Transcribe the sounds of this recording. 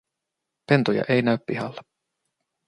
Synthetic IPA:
pe̞nt̪ojɑ̰ʔe̞jnæyppiɦɑlːe

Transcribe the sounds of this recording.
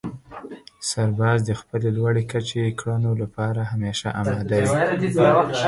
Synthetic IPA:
saɾbɑzd̪əxpəlelwaɽekat͡ʃekɽanolapɑɾahameʃaʔɑmɑd̪awi

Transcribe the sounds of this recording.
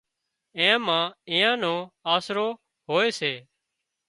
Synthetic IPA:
ẽːmãːĩːãːnõːaːsɾoː | ɦoːeːseː

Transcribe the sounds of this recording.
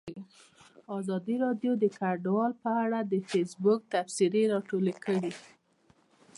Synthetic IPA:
ɑzɑd̪iɾɑɖjod̪əkaɖwɑlpəaɽad̪əfesbʊk̚t̪afsiɾeɾɑʈolekʰəɽi

